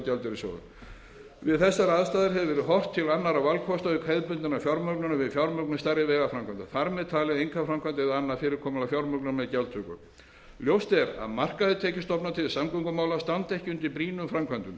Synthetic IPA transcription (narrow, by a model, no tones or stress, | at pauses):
t̪jalt̪ɪɾɪso̰ːwðʏ̰ | vɪðθɛsːaɾaðst̪aːðɪɾɦɛvvɛːɾɪɦɔr̥t̪ʰːɪlanːaɾavalkʰɔst̪aʏkhɛjðpʏnt̪ɪnafjɔɾmœknʏnavɪðfjawɾmœknast̪aɾɪvɛːɣafɾamkʰant̪aθaɾmɛðt̪ʰaːlɛðejŋkʰafɾamkʰajnt̪ɛðanːafɪːɾɪɾ̥kʰɔːmʏnafjawɾmœknnmɛðcalt̪ʰʏkʏ̰ | ljowst̪ɛɾa̰ðmar̥kaðɪt̪ʰɛːcɪst̪ɔpnat̪ʰɪlsamkʏŋkʏmaːwlast̪ant̪ɛhcʏnt̪ɪlpɾiːnʏmfɾamkʰvant̪ʏm